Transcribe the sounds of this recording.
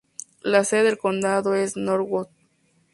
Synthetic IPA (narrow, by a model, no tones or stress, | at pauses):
laseðelkond̪aðoesnoɾwot̪̚